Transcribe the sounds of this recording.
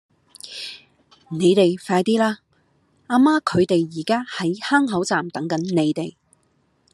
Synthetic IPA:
ne˨˧jt̪e˨jfaː˧jt̪iː˥laː˥ | aː˧maː˥kʰɵ˨˧ɥt̪e˨jːiː˨˩kaː˥hɐ˨˥jhaː˥ŋɦɐ˨˥wt͡saː˨mt̪ɐ˨˥ŋkɐ˨˥nne˨˧jt̪e˨˩j

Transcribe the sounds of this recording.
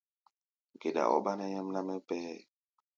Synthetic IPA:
ɡe˨da̰˨ʔɔ˦ba˦nɛ˦jɛ˦mna˦mɛ˦pɛ˦ɛ˦˨

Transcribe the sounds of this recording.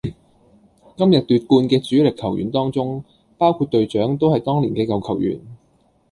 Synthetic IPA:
kɐ˥mjɐ˨t̚t̪yː˧t̚kuː˧nkɛː˧t͡syː˨˥lɪ˨kʰːɐ˨˩wjy̰˨˩nt̪ɔː˥ŋt͡sʊ˥ŋ | paː˥wkʰu˧t̚t̪ɵ˨˧ɥt͡ʃœː˨˥ŋt̪o˥whɐ˨jt̪ɔː˥ŋliː˨˩nkɛː˧kɐ˨wkʰɐ˨˩wjy̰ː˨˩n

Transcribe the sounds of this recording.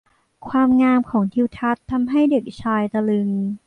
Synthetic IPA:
kʰwaː˧mŋaː˧mkʰɔː˩˦ŋt̪ʰi˧wt̪ʰa˦˥t̪ʰːa˧mɦa˥˩jde˨˩k̚t͡ɕʰaː˧jt̪a˧lɯ˧ŋ

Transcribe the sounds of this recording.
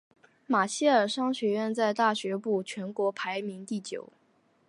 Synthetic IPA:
ma˨˩ɕi˥ə˞˨˩ʂɑ˥ŋɕɥɛ˧˥ɥɛ˥˧nt͡sa˥˧ɪt̪a˥˩ɕɥɛ˧˥pu˥˩t͡ɕʰɥɛ˧˥nkwɔ˧˥pʰa˧˥ɪmi˧˥ŋt̪i˥˩t͡ɕjo̰˨˩ʊ

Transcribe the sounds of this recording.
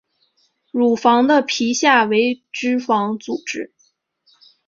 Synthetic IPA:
ɻu˨˩fɑ˧˥ŋd̪ə˧pʰi˧˥ɕja˥˩we˧˥ɪʈ͡ʂɻ̩˥fɑ˧˥ŋt͡su˨˩ʈ͡ʂɻ̩˥

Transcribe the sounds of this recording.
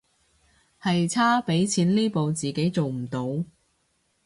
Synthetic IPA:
hɐ˨jt͡sʰaː˥pe˨˥jt͡sʰiː˨˥nliː˥po˨wt͡siː˨ke˨˥jt͡so˨wm̩˨˩t̪o˨˧w

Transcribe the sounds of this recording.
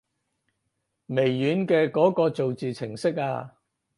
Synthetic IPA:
me˨˩jːyː˨˥nkɛː˧kɔː˨˥kɔː˧t͡so˨wt͡siː˨t͡sʰɪ˨˩ŋsɪ˥k̚a̰ː˧

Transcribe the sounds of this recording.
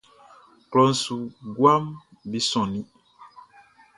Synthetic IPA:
klɔ˨˦n̩˨su˨ɡwa˦m | bi˦sɔ̃˨ni˦

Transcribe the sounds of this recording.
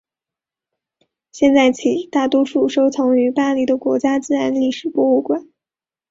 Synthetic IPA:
ɕjɛ˥˧nt͡sa˥˩ɪt͡ɕʰi˨˩t̪a˥˩t̪wɔ˥ʂu˥˩ʂo˥ʊt͡sʰɤ˧˥ŋy˧˥pa˥˧li˥˩d̪ə˨kwɔ̰˧˥t͡ɕja˥t͡sɹ̩˥˧ɻa˧˥nli˥˩ʂɻ̩˨˩pwɔ˥˧u˥˩kwa˥˩˦n

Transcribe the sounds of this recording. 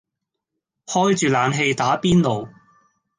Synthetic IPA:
hɔː˥jt͡ʃyː˨laː˨˧nɦe˧jt̪aː˨˥piː˥nlo˨w

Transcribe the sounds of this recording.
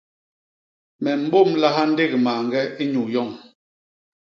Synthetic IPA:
mɛ˨m̩˦bo˦˨mla˦ɦa˦n̩˦de˦ɣmaː˨ŋɡɛ˦i˦ɲu˨jɔ˦˨ŋ

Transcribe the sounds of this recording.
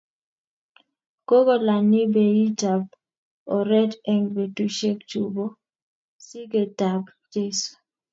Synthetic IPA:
ko˦ɡo˦la˨nɪ˦be˨i˦ta˨b̚ | ɔ˨ɾɛ˦dɛ˦ŋbe˨tu˦ʃe˦kt͡ʃu˨bo˦ | si˦ɡe˨ta˨b | d͡ʒe˦su̥˨

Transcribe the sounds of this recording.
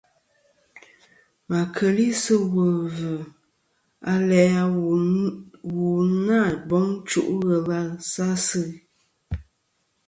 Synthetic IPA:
ma˨kʰə˨li˦sɨ˦wə˨və˨ | a˦lɛ˨˦a˨ | wu˨na˦˨bɔ˨˦ŋ˦t͡ʃu˦ʔɣə˨la˦sa˦sɨ˦˨

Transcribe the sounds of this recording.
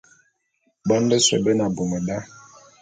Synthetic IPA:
bɔ˦n˦dɛ˦swɛ̰˨bɛ˦na˨bo˨mɛ˨da˦

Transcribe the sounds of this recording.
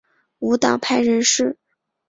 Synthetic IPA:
u˧˥t̪ɑ˨˩ŋpʰa˥˩ɪɻə˧˥nʂɻ̩˥˧

